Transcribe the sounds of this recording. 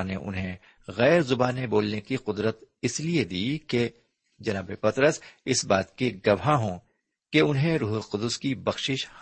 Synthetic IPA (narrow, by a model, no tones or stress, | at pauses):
neʔʊ̰nɦẽ | ɣɛːɾzʊbaːneboːlnekiqʊd̪ɾət̪ɪslied̪iːke | d͡ʒɐnaːbepɐt̪ɾəsɪsbaːt̪keɡɐʋɦaɦõː | keʊnɦẽɾuːɦʊlqʊd̪ʊskibɐxʃɪʃh